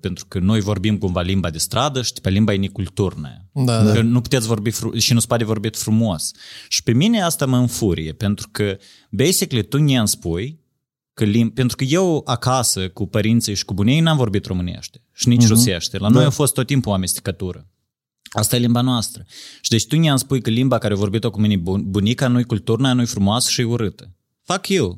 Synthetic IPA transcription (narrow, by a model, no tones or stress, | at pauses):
pent̪ɾu̥kəno̞jvo̞rbimkumvalimbad̪e̞st̪ɾad̪əʃi̥d̪i̥pelimbainikult̪urna̰ekənupu̥t̪et̪sʲvo̞rbifɾṵʃinuspad̪evo̞rbit̪fɾumo̞sʃi̥pemine̞ast̪aməɨnfuɾḭje̞pe̞nt̪ɾukə | bejsiklet̪unʲianspuj | kəlimpe̞nt̪ɾukəje̞wakasəkupəɾint̪sijʃi̥kubunejnamvo̞rbit̪ro̞mɨnḛʃt̪ʲeʃinit͡ʃruseʃt̪elano̞jamfo̞st̪ːot̪ːimpuamest̪ʲi̥kət̪uɾə̰ | ast̪ajelimbanoast̪ɾəʃid̪et͡ʃt̪unʲianspujkəlimbakaɾeovo̞rbit̪okuminebunikanujkult̪urnaanujfɾumoasʃiuɾɨt̪ə̥ | fakjew